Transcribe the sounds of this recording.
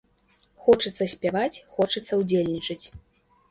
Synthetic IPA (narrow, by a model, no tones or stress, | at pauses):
xɔt͡ʂɨt̪sːɐsʲpʲavat͡sʲxɔt͡ʂɨt̪sːɐwd͡zʲelʲnʲit͡ʂɨt͡sʲ